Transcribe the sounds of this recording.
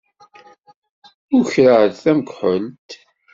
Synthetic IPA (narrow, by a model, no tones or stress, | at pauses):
ʊɾçɾəɾθæməkʷħəlt̪